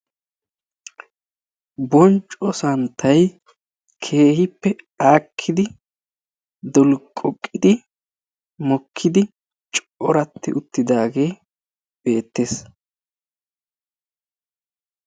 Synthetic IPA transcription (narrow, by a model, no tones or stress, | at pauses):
bɔnt͡ʃʼɔsɐnt̪ʰːɐj | kʰe̞ːhɪpːɛ | aːkʰːɪd̪ɪ | d̪ɔlkʼɔkʼːɪd̪ɪ | mɔkʰːɪd̪ɪ | t͡ʃʼʔɔɾɐt̪ːɪ̰ʔʊt̪ːɪd̪aːɡe̞ː | b̥e̞ːt̪ːeːs